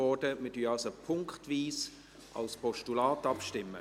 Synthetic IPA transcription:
ɔdəmədyːɑlsopʰʊŋkχtviːs | ʔɑ̰lspʰɔʃtulaːtɑpʃtɪmːə̰

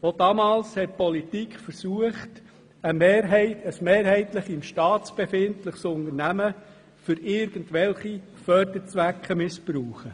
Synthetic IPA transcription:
od̥ɑmɑːlshɛt̚pɔlitikχfəɾsuəχt | əmeːɾɦɪəsmeːɾhɛɪtləχɪmʃtɑːt̪t͡sb̥efɪntləχsʊnəɾnæmə | fʏɾɪːɾɡ̥əntʋɛlχi | fœɾd̪əɾt͡sʋækχəmɪspɾuːχə

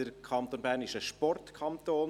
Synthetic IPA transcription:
əɾkʰɑnt̪oːnbæːɾnɪʃəʃpɔrtkʰɑnt̪oːn

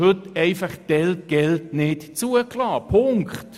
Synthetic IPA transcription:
hɵtɛɪfaχd̥ɛlt̚ɡ̥ɛltnɪtt͡suəklɑːpʰʊŋkχt

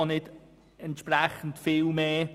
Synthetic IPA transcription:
ɑnɪd | ɛntʃpɾɛχən̩tfɪːlmeː

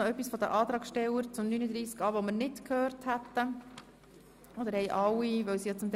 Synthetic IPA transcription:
œpːisfɔd̪əʔɑːt̪ɾɑːkʃtɛwəɾt͡sʊmnynəd̪ɾiːskɑːʋɔməɾnɪtkʰhøːɾthæt̪ːə | ɔd̪əɾhɛɪʔɑwːiʋœwsijɑt͡sʊmt̪

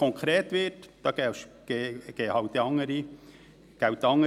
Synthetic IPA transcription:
ɔŋkχɾeːt̪ʋɪtd̥ɑːɡ̥ɛʃɡ̥eːɡ̥eːhɑwt̪ːeɑŋːəɾi | ɡ̥awt̪ːɑŋːə

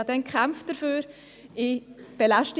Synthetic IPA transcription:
ɑd̥ɛnkʰχæmft̚d̥əɾføːɾ | ɪb̥elaʃtɪ

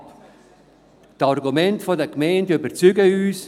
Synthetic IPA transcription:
p | tɑrɡumɛntfɔdəkmɛɪndybəɾt͡syɡəyːs

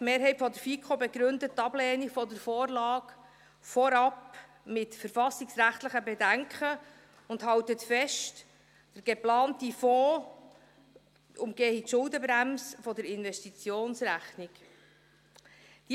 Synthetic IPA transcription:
tmeːɾɦɛjtfɔd̪əɾfikχobɛɡɾɵndətːɑblɛːnifɔdəɾfɔːɾlɑːk | fɔɾɑp | mɪtfəɾfɑsiksɾæχt̪ləχəbɛdæŋkχə | ʊndɦɑwtətfɛʃt | d̥əɡ̥eplɑːntifɔː | ʊmɡeːhitʃʊldəbɾæmsfɔdəɾɪnvɛʃtit͡sjoːnsɾæχnik | d̥i

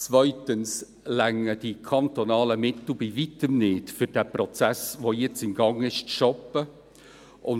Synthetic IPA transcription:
t͡svœʏtəns | læŋːəd̥ikʰɑnt̪onɑːləmɪtl̩ˠbivitəmnɪːtfʏɾd̥æːprɔt͡sæsvoːjɛt͡sɪmɡɑŋɪʃt͡sʃɔpə | ʔʊn

